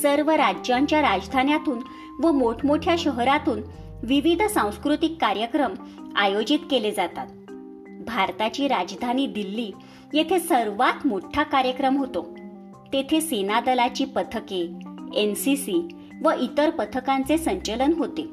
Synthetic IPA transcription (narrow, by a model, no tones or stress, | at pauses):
səɾʋəɾad͡ʑjaɲt͡ɕjaɾad͡zd̪ʱanjat̪uːn | ʋəmoʈʰmoʈʰjaɕəɦɾat̪uːn | ʋiʋid̪ʱsãw̃skɾut̪ikːaɾjəkɾəm | ajod͡ʑit̪keled͡zat̪at̪ | bʱaɾt̪at͡ɕiːɾad͡ʑd̪ʱaniːd̪ilːiː | jet̪ʰesəɾʋat̪moʈʰːakaɾjəkɾəmɦot̪o | t̪et̪ʰesenad̪əlat͡ɕiːpət̪ʰəkeensisi | ʋəʔit̪əɾpət̪ʰəkant͡sesəɲt͡ɕələnɦot̪e